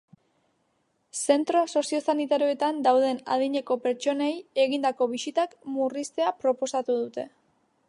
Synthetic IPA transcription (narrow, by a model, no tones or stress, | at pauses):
se̞nt̪ɾo̞so̞sio̞sanit̪aɾioet̪and̪awð̞e̞na̰ðiɲe̞ko̞pe̞ɾt͡ʃo̞neje̞ɣind̪ako̞βisit̪akmurist̪eapɾo̞po̞sat̪uðut̪e̞